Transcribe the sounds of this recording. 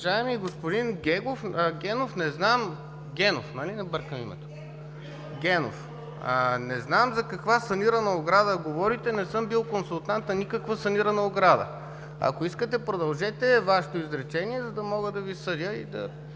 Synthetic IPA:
ʒaɛmiɡospʊd̪inɡʲɛɡofɡʲɛnofnɛznam | ɡʲɛno̰fnɐlinɐbɤɾkəmḭmɛ̰t̪o̥ | ɡʲɛno̰f | ənɛznamzɐkɐkvasɐniɾɐnɐoɡɾad̪əɡovɔɾit̪ɛnɛsɤmbilˠkonsulˠt̪ant̪nɐnʲikɐkvəsɐniɾɐnɐoɡɾad̪ə̰ | ɐ̰koiskət̪ɛpɾod̪ɐlˠʒɛt̪ɛvaʃet̪oizɾɛt͡ʃɛniɛzɐd̪ɐmɔɡəd̪ɐvisɤd̪ʲəḭd̪ɐ̰

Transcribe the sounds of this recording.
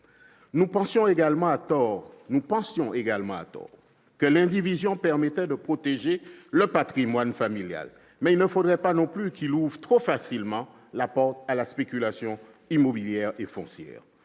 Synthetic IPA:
nupɑ̃sjɔ̃eɡalmɑ̃at̪ɔʁnupɑ̃sjɔ̃eɡalmɑ̃a̰t̪ɔ̰ːʁ | kəlɛ̃d̪ivizjɔ̃pɛʁmɛt̪ɛd̪əpχot̪eʒeləpat̪χimwanfamilja̰l | mɛilnəfod̪ʁɛpanɔ̃plykiluvʁt̪χofasilmɑ̃ | lapɔʁt̪alaspekʲylasjɔ̃ | imobiljɛʁefɔ̰̃sjɛ̰ːʁ

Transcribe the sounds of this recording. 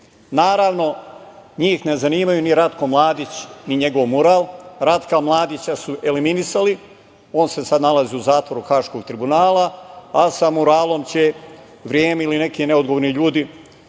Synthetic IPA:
naːɾaːʋno̞ɲiːxne̞zaniːmajuniɾat̪ko̞mlˠaːd̪it͡ɕniɲe̞ɡoʋmuɾaːlˠɾat̪kamlˠaːd̪it͡ɕasuʔe̞liminisali | o̞ːnse̞sad̪nalaziuzaːt̪vʋo̞ɾuxaːʃko̞ɡ̚t̪ɾibunaːlˠaasamuɾaːlˠo̞mt͡ɕe̞ | ʋɾjeːmeiline̞kine̞od̪ɡoʋoɾniʎuːd̪i

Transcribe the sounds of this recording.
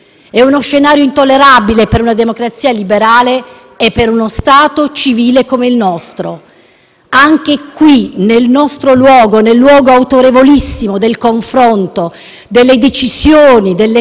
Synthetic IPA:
ɛunosʃːenaːɾjoint̪olːeɾabilepeɾunad̪emokɾat̪sːiːalibeɾaːleː | pːeɾunost̪aːt̪ot͡ʃiviːlekomeilnɔst̪ɾo | aŋk̟ekwinelnɔst̪ɾolwɔːɡonelːwɔːɡoawt̪oɾevolisːimod̪elkoɱfɾont̪o | d̪elːed̪et͡ʃisjoːnid̪elːe

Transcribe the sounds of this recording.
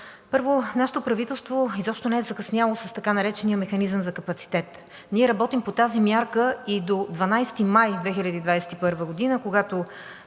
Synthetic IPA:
pɤɾvonaʃɛ̥t̪opɾɐvit̪ɛlˠst̪voizɔpʃt̪onɛɛzɐkɐsnʲavəlˠosɐst̪ɐkanɐɾɛt͡ʃɛniəmɛxɐnizəmzɐkɐpɐt̪si̥t̪ɛt̪ | niɛɾɐbɔt̪impot̪azimʲjaɾkəid̪od̪vɐnajst̪imajd̪vɛxiʎʲəd̪iːd̪vajsɛ̥t̪ipɤɾvəɡod̪inəkoɡat̪o

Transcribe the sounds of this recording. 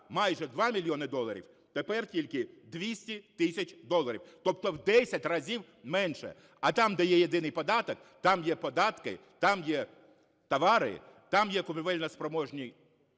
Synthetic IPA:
mɑjʒɛd̪ʋɑmʲilʲjɔnɪd̪ɔlˠɐɾʲḭw | t̪epɛrtʲilʲkɪd̪ʋʲisʲtʲit̪ɪsʲɐt͡ʃʲd̪ɔlˠɐɾʲiwt̪ɔp̚t̪ɔwd̪ɛsʲɐtʲrɐzʲiw | mɛnʃɛ̰ | ɐt̪ɑmd̪ɐjɛjed̪ɪnɪjpɔd̪ɑt̪ɔk | t̪ɑmjɛpɔd̪ɑt̪kɪ̰t̪ɑmjɛ | t̪ɐʋɑɾɪ̰ | t̪ɑmjɛkʊpʲiʋɛlʲnɐspɾɔmɔʒnʲi

